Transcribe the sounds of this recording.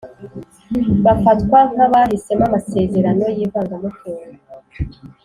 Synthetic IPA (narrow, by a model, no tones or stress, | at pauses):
βafatkwakaβaɦise̞mamase̞ːze̞ɾano̞jiːvaːŋɡamokuːa